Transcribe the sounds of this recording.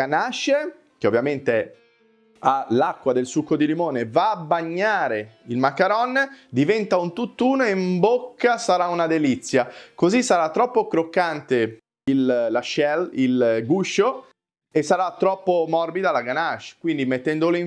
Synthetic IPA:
anaʃe | k̟eovːjament̪e | alakːwad̪elsukːod̪ilimoːnevaːbːaɲːaːɾeilmakːaɾɔnd̪ivɛnt̪aunt̪ut̪ːuːnoeimbokːasaɾaunad̪elit̪sːjakozisːaɾat̪ːɾɔpːokɾokːant̪e | ilːaʃɛlilɡuʃːo | esːaɾat̪ːɾɔpːomɔrbid̪alaɡanat͡ʃːkwind̪imet̪ːɛnd̪oli

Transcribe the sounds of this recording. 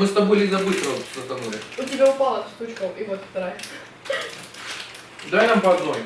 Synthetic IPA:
mɨst̪ɐbojlʲizɐbɨt̪ɾət̪zɐt̪ɐnulʲɪ̰ʊtʲɪbʲaʊpalˠɐst̪ut͡ɕkəwivot̪ft̪ɐɾaj | d̪ajnampɐɐd̪noj

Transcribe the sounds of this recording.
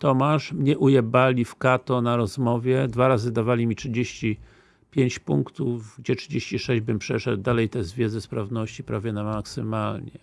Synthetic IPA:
t̪ɔmaʂmɲɛʔujɛbalʲifkat̪ɔnaɾɔzmɔvʲjɛd̪vaɾazɘd̪avalʲimʲitʂɘd͡ʑeɕt͡ɕi | pʲjeɲt͡ɕpuŋkt̪uvɡd͡ʑɛtʂɘd͡ʑeɕt͡ɕiʂɛʑd͡ʑbɘmpʂɛʂɛd̪̚d̪alɛjt̪ɛzvʲjɛd̪zɛspɾavnɔɕt͡ɕipɾavʲjɛnamaksɘmalɲɛ̰

